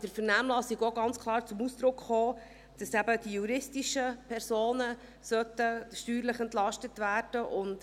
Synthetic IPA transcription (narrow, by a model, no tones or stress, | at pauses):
d̥əɾfəɾnæːmlɑsiɡoɡɑnt͡skʰlˠɑːɾt͡sʊmusd̥ɾʊkχoː | d̥ɑsæbəd̥ijuɾɪstiʃəpʰɛɾsoːnə | sœtəʃtyːɾləχɛntlɑʃtətvæːɾd̥əʔʊnt